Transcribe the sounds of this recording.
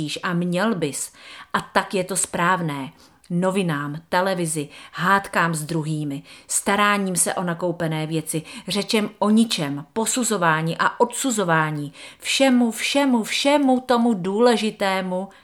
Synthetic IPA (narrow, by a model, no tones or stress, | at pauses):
iːʃʔamɲɛlbɪsʔat̪akjɛt̪o̞spɾaːvnɛː | no̞vɪnaːmt̪ɛlɛvɪzɪɦaːt̪kaːmzd̪ɾuɦiːmɪst̪aɾaːɲiːmsɛ̰ʔo̞nako̞wpɛnɛːvjɛt͡sɪr̝ɛt͡ʃɛmʔo̞ɲɪt͡ʃɛmpo̞suzo̞vaːɲiːʔaʔo̞t̪suzo̞vaːɲiːfʃɛmufʃɛmufʃɛmut̪o̞muduːlɛʒɪt̪ɛːmu